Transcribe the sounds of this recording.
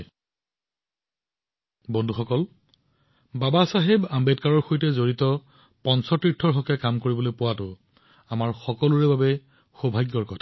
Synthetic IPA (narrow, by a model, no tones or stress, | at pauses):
bɔndʱuxɔkɔl | babasaɦebambetkaɹɔɹxojtɛzoɹitɔ | pɔnsɔtɹitʰːɔɹɦɔkɛkamkoɹibɔlojpʊwatʊ | amaɹxɔkɔlʊɹɛbabɛ | xobʱajɡjɔɹkɔtʰḁ